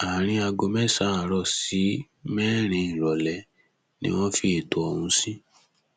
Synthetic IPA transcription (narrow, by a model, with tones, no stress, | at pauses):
a˨ɾ̃ĩ˧a˧ɡo˧mɛ˦sa˦˨ɾɔ˧˨si˨˦ | mɛ˦ɾ̃ĩ˧˦ĩ˨ɾɔ˨lɛ˨˧ | nḭ̃˦w̃ɔ̃˦fi˦e˨to˨ɔ˧wũ˧˦sĩ˦